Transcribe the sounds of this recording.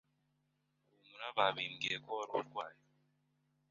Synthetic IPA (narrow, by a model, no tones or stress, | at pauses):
umuɾaβaβimɡiekoaɾuɾɡwaːje